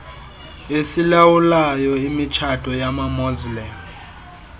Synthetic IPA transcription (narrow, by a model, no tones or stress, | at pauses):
esilawulajɔimit͡ʃʰatʼɔjamamɔzlɛn